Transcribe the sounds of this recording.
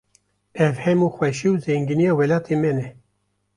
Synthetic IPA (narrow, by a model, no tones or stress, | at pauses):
ɛvhɛmuːxwɛʃiwzɛŋɡinijɑːwɛlɑːt̪ʰeːmɛnɛ